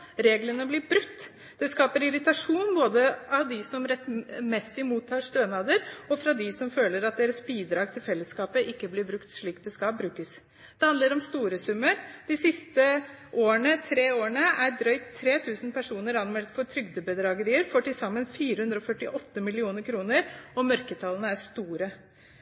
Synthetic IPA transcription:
ɾeːɡlənəblɪɾbɾʉkt̪ː | d̪̥ɛskɑːpəɾɪɾɪt̪ɑʂuːnboːd̪əɑʋd̪ɪsɔmɾɛt̪ːmɛsːɪmuːt̪ʰːɑːʂt̪øːnɑːd̪əɾɔfɾɑd̪ɪsɔmføːləɾɑt̪̚d̪eːɾəsbiːd̪ɾɑːɡt̪ʰɪlfɛlːəskɑːpəʔɪkːəblɪbɾʉkt̪ʂɭiːk̪̚d̪ɛskɑbɾʉːkəs | d̪̥ɛhɑnd̪əɾɔmst̪uːɾəsʉmːəɾd̪̥ɪsɪst̪ə | ʔoːəɳət̪ʰɾeːoːəɳəæɾɖɾœʏktt̪ʰːɾeːt̪ʰʉːsən̩pʰæʂuːnəɾɑnmɛlt̪fɔɾʈ̪ʰɾʏɡd̪əbəd̪ɾɑɡəɾiːəɾfoːʈɪlsɑmːənfiːɾəhʉnd̪ɾɔfœʈːɪʔɔt̪ːəmɪlɪuːnəɾkʰɾuːnəɾɔmœɾkət̪ʰɑlənəæʂt̪uːɾə

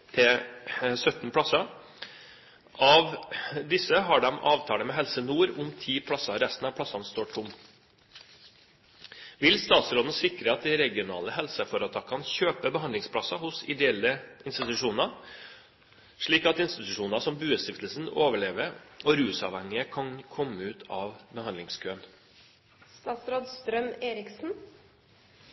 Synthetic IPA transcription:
t̪ʰɪ | sœt̪npʰɽɑsɑ | ʔɑʋd̪ɪsəɦɑɖɛmʔɑːʋt̪ʰɑːɽəmɛɦɛlsənuːɾʊmt̪ʰiːpʰlɑsɑɾɛst̪n̩ɑʋpʰlɑsɑnst̪oːʈʰʊm | ʋɪlst̪ɑːt̪sɾoːd̪nəsɪkɾəɑt̪̚d̪ɪɾɛɡɪʊnɑ̰ːləhɛlsəfɔɾət̪ʰɑkʰɑnçøːpəbəhɑnd̪ɪŋspʰɽɑsɑhʊsɪ̰d̪ɛɛlːəɪnst̪ɪt̪ʉʂuːnɑ | ʂɭiːkɑt̪ɪnst̪ɪt̪ʉʂuːnɑsɔmbʉːəst̪ɪft̪lsn̩oːʋəɭeːʋəɾɔɾʉːsɑ̰ːʋhɛŋːɪəkʰɑnkʰɔmːəʉːt̪ʰɑːʋbəhɑnlɪŋskʰøːən | st̪ɑːt̪sɾoːd̪st̪ɾœmeːɾɪksn̩

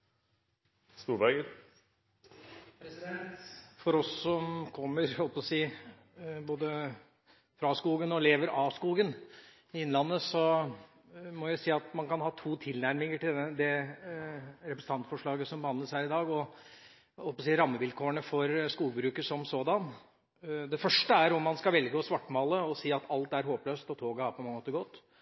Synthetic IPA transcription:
st̪uːɾʋæɡəɾ | pʰɾɛsɪd̪ɛnt̪fɔɾɔsːɔmkʰɔmːəɾhɔlpɔsiː | boːd̪ə | fɾɑskuːɡənɔleːʋəɾɑskuːɡən | ɪɪnːlɑnːəsɔ | mɔjæɪsiːɑt̪mɑnkɑnhɑːt̪ʰuːt̪ʰɪlnæɾmɪŋəʈɪd̪ɛ | ɾɛpɾɛsn̩ɑnt̪fɔʂɭɑːɡəsɔmbəhɑnd̪ləsæːɾɪd̪ɑːɡɔ | hɔlpɑsiːɾɑmːəʋɪlkʰoːəɳəfɔɾskuːɡəbɾʉːkəsɔmsoːd̪ɑn | d̪ɛfœʂʈəæɾɔmːɑnskɑʋɛlɡəɔsʋɑʈːmɑːləɔsiːɑt̪ʰɑlt̪æɾɦoːpløːst̪ɔt̪ʰoːɡəhɑɾpʰɔmɑŋəmoːt̪əɡɔt̪ː

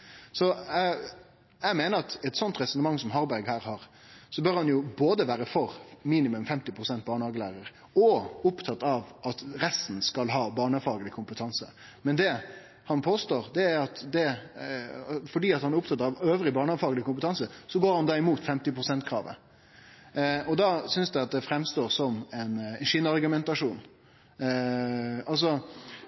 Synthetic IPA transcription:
sɔ | æmeːnəɾɑt̪ɛt̪sɔnt̪ɾɛsɔnəmɑŋːsɔmɦɑɾbæɾɡhæːɾhɑɾ | sɔbœɾhɑnjʊboːd̪əʋæːɾəfɔɾmiːnɪmʉmfɛmt̪ɪpʰɾʊsɛnt̪̚bɑːɳəhɑːɡəlæ̰ːɾəɾ | ɔʊpt̪ʰɑt̪ːɑʋʔɑt̪ɾɛst̪n̩skɑlɦɑːbɑːɳəfɑːɡəlɪkʰʊmpət̪ʰɑnsə | mɛnd̪ɛ | hɑnpʰoːst̪oːɾd̪ɛæɾɑt̪d̪ɛ | fɔɖiːɑt̪hɑnæɾʊp̚t̪ʰɑt̪ːəɑʋøːʋɾɪbɑːɳəfɑːɡəlɪkʊmpət̪ʰɑnsəsɔɡoːɾhɑnd̪ɑːɪmuːt̪fɛmt̪ɪpʰɾʊsɛnt̪kʰɾɑ̰ːʋə̰ | ɔd̪ɑsʏnsd̪æɪɑt̪̚d̪ɛfɾɛmst̪oːɾsɔmɛnɛnʂɪnɑɾɡʉmɛnt̪ɑʂuːn | ɑls̬ɔ

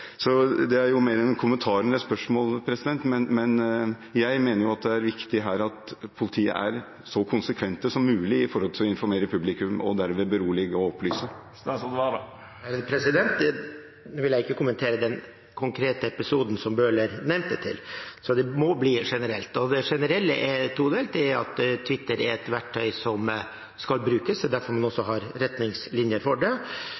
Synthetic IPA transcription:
sɔd̪ɛæɾjʊmeːɾɛnkʰʊmənt̪ʰɑːɾənəspœʂmoːlpʰɾɛsɪd̪ɛnt̪mɛnmɛn | jæɪmeːnəɾjʊɑt̪̚d̪ɛæɾʋɪkt̪ɪɦæːɾɑt̪pʰʊlɪt̪ʰiːə̰ʔæɾ | sɔkʰʊnsəkʰʋɛnt̪əsɔmːʉːlɪɪfɔɾhɔlt̪ʰɪlɔɪnfɔɾmeːɾəpʰʉblɪkʉmɔ̰d̪æɾmeːbəɾuːlɪɡɔɔplyːsə | sɔd̪ɛʋɑɾ | æpʰɾɛsɪd̪ɛnt̪̚d̪ɛ | nuːʋɪljæɪɪkːəkʊmənt̪ʰeːɾəd̪ɛn | kʰʊŋkʰɾeːt̪əɛpɪsuːd̪n̩sɔmbøːləɾnɛmt̪̚d̪ɛt̪ʰɪ̰lsɔd̪ɛmɔbliːʂɛnəɾɛlt̪ɔd̪ɛʂɛnəɾɛlːəʔɛt̪ʰuːd̪eːlt̪ʰɛæɑ̰t̪t̪ʰːʋɪt̪ːəɾæɾɛt̪ʋæʈʰːœʏsɔm | skɑlbɾʉːkəsɛd̪æɾfɔɾmɑnɔsːɔɦɑɾɾɛt̪nɪŋslɪnjəɾfɔɖɛ

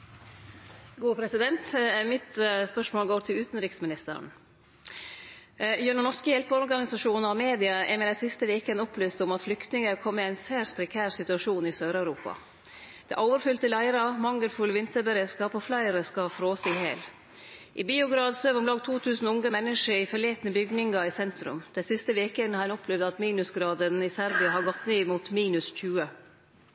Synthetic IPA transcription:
ɡuːpʰɾɛsɪd̪ɛnt̪mɪt̪spœʂmoːlɡoːɾt̪ʰɪlʉːt̪n̩ɾɪksmɪnɪst̪ə̰ɾ̰n | jœɳənɔʂkəjɛlpəɔɾɔɾɡɑnɪsɑʂuːnəɾɑmeːd̪ɪɑɛ̰ɾmɛd̪æɪsɪst̪əʋeːkənʊplyːst̪ɔmɑt̪flʏkt̪nɪŋəkʰɔmːɛæɪnsæːspʰɾɛkʰæːɾsɪt̪ʉɑʂuːnɪsøːɾœʉɾuːpɑ̰ | d̪̥ɛ̰ʔoːʋəɾfʏlt̪əlæɪɾɑmɑŋːəlfʉlʋɪnt̪əɾbəɾeːskɑːpoflæɪɾəskɑfɾoːsɪhḛːl | ʔɪ̰biːʊɡɾɑːd̪søːʋʊmlɑːɡ̚t̪ʰuːt̪ʰʉːsn̩ʊŋɡəmɛnːəʂəɾɪfœɭeːt̪nəbʏɡnɪŋɡɑɪsɛnt̪ɾʉ̰md̪̥ɛsɪst̪əʋeːkəɛnhɑɛnɔpʰlɛʋd̪ɑt̪miːnʉsɡɾɑːd̪ənɪsæɾbɪɑɦɑɾɡɔt̪ːnyːmuːt̪miːnʉsc͡çʉːə

